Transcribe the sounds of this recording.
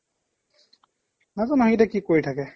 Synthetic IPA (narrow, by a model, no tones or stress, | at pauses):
nazanaɦidɛkikoɹitʰakɛ